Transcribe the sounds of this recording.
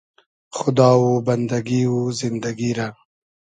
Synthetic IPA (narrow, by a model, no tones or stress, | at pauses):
xʊd̪ɑwuband̪aɡiwuzɪnd̪aɡiɾa